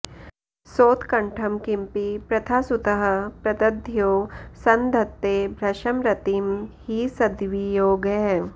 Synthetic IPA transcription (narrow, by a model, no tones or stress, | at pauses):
soːt̪kɐɳʈʰɐmkɪ̃mpipɾɐt̪ʰasʊt̪ɐɦɐ̆pɾɐt̪ɐd̪ʱjoːsɐnd̪ʱɐt̪ːeːbʱɾɐʃɐmɾɐt̪imhisɐd̪ʋijoːɡɛ